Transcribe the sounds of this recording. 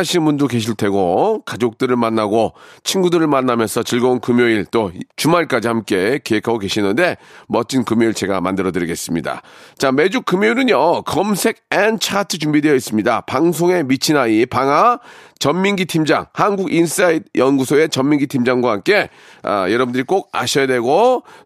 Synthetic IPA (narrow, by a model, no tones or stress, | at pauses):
aɕʰinbundoke̞ɕʰiɭtʰe̞ɡokad͡ʑok̚t͈ɯɾɯɭmanːaɡot͡ɕʰinɡudɯɾɯɭmanːamjʌnsʰʌt͡ɕiɭɡʌunkɯmjoiɭt͈ot͡ɕumaɭk͈ad͡ʑihamk͈e̞keɦekʰaɡoke̞ɕʰinɯnde̞mʌt͡ɕ͈inkɯmjoiɭt͡ɕe̞ɡa̰mandɯɾʌdɯɾiɡe̞s͈ɯmɲida̰t͡ɕame̞d͡ʑukɯmjoiɾɯɲjʌkʌmsʰe̞ɡ̚ent͡ɕʰatʰɯt͡ɕumbidwejʌis͈ɯmɲidapaŋs̬ʰoŋe̞mit͡ɕʰinaipaŋat͡ɕʌmːiŋɡitʰimd͡ʑaŋhanɡuɡins͈aid̚jʌnɡusʰoe̞t͡ɕʌmmːiŋɡitʰimd͡ʑaŋɡwaɦamk͈e̞ | a̰jʌɾʌbundɯɾik͈oɡ̚a̰ɕʰʌjadweɡo